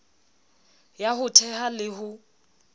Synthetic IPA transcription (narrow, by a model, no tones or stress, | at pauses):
jahʊtʰɛhalɪɦʊ